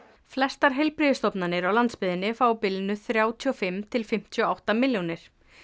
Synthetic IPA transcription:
flɛst̪aɾ̥ɦejlpɾiðʏst̪ɔpnanɪɾawlant̪spɪðɪnːɪfaːwpɪlnʏθɾjaːwt̪ʰiɔfɪmt̪ʰɪlfɪm̥t̪ʰiɔawht̪amɪljonɪɾ̥

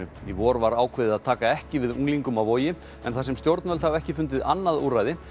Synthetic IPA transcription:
ʏivɔːɾvaɾaːwkʰvɪːðɪaðt̪ʰaːkaɛhcɪvɪðṵŋliŋkʏmavoːjɪ | ɛ̰nθasɛmst̪jowɾt̪nvœlhavɛhcɪfʏnt̪ɪðanːaðurajðɪ

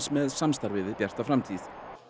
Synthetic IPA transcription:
smɛðsamst̪aɾvɪːðɪpjɛr̥t̪avfɾamt̪ʰiθ

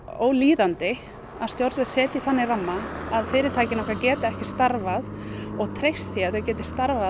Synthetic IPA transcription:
oːwliːðant̪ɪ | ḁst̪jowɾt̪ðasɛːt̪ɪθanːɪramːaaðfɪːɾɪɾt̪ʰaːjcɪnɔhkacɛːt̪ɪɛhcɪ̥st̪aɾvaðɔɣt̪ʰɾejst̪θiaθɛcɛːt̪ɪ̥st̪aɾva

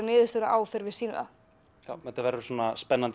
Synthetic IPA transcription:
nɪːðʏst̪œːɾaʔaːwfɪɾvɪsiːnʏ̰ða̰ | jawɛt̪avɛːɾʏ̥suːnaspɛnːant̪

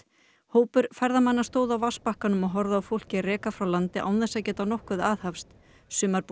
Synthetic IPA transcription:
hoːwpʏɾfaɾðamanːast̪oːwðawvaspahkanʏmɔɣɦɔɾðaːwfowl̥cɪarɛːkafɾawlant̪ɪʔa̰ːwnθɛsːacɛːt̪anɔhkʏðaːðhafst̪ | sʏːmaɾp

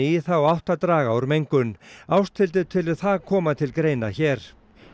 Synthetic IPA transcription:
ɪiθawawht̪at̪ɾaːɣawɾmejŋkʏnawst̪ʰɪlt̪̬ɪt̪ʰɪlɪðθaðkʰɔːmat̪ʰɪlkɾeːjnaçɛːɾ̥

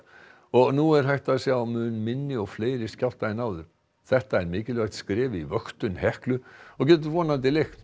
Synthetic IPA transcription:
ɔɣnuːɛɾɦajht̪asjamʏnmɪnːɪɔfleːɪɾɪscawl̥t̪aɪnawðʏɾ | θɛht̪aɛɾmɪːkɪlvɛkt̪skɾeːʋivœkt̪ʏnhɛhklʏɔkɛːt̪̬ʏvɔːnant̪ɪlex

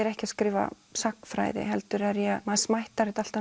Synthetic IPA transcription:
ɛɾɛhcɪaskɾɪːva̰ | sakfɾa̰ːjðɪ̰ɦɛlt̪ʏɾɛɾjɛmaðsmajht̪aɾɪt̪al̥t̪a

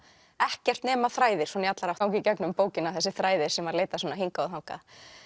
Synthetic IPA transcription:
ɛhcɛr̥t̪nɛːmaθɾaːjðɪɾ̥sɔːnjat̪laɾawt̪awŋcɪcɛknʏmpoːwcɪnaθɛsːɪθɾaːjðɪɾ̥sɛmvaɾleːjt̪asɔːnaɦiŋkaoθɦawŋka̰

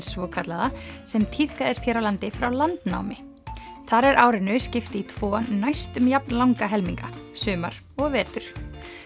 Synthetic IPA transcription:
svɔːkʰat̪laðasɛmt̪ʰið̥kaðɪst̪çɛːɾawlant̪ɪfɾawlant̪na̰ːwmɪ | θaɾɛɾʔaːwɾɪnʏscɪft̪ɪit̪ʰv̥ɔːnajst̪ʏmjap̚nlawŋkaɦɛlmiŋkasʏːmaɾ̥ | ɔɣvɛːt̪ʏɾ̥

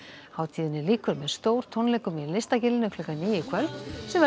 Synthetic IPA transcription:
haːwt̪ʰiːðɪnɪliːkʏɾmɛðst̪oːwɾ̥t̪ʰɔnlɛjkʏmilɪst̪acɪlɪnʏkʰlʏkaniːjɪkʰvœlsɛmɛ

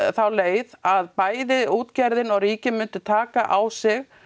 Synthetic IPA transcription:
θawleːjðaðpaːjðɪuːt̪caɾðɪnɔɣriːcɪnmʏnt̪ʏt̪ʰaːkaʔawsɪɣ

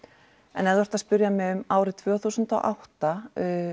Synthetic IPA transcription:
ɛ̰nɛðvœɾ̥t̪aðspʏɾjamɛʏmaːwɾɪt̪ʰv̥œːθuːsʏnt̪ɔ̰ʔawht̪a

